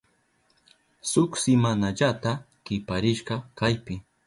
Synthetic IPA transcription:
sʊksɪmanaʎat̪a | kɪpaɾɪʃɢɑkajpɪ

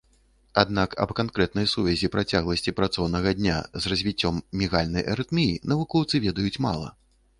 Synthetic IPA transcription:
ad̪nakɐ̰bkankɾɛt̪nɐjsuvʲɛzʲipɾat͡sʲaɣlˠɐsʲt͡sʲipɾat̪sɔwnɐɣɐd̪ʲnʲa̰zrɐzʲvʲit͡sʲːɔmːʲiɣalʲnɐjʔɐ̰ɾɨt̪mʲijinɐvukɔwt̪sɨvʲɛd̪ɐjut͡sʲma̰lˠɐ̰

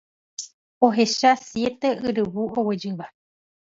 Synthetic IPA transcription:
oɦe̞ʃasje̞t̪e̞ɨɾɨβuowed͡ʒɨ̃βa

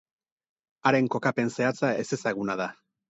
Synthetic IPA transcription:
aɾe̞ŋko̞kape̞nse̞at͡sae̞se̞saɣ̞unað̞a

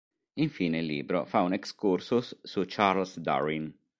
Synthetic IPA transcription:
iɱfiːneilːḭːbɾo̰faunekskursusːut͡ʃaɾlsd̪a̰ɾin

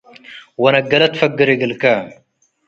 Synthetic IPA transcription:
wɐnɐɡɐlɐt̪fɐɡəɾeɡəlka

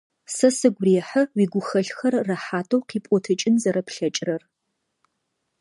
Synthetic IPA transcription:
sɐsɨɡʷreːħɐwiːɡʷʊxɐɬxɐrːɐħaːtʰʼowqiːpʼɔtʰɨt͡ʃʼɪnzɐɾɐpɬɐt͡ʃʼrɐr

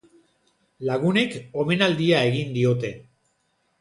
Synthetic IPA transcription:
laɣune̞ko̞me̞nald̪iae̞ɣind̪io̞t̪e̞

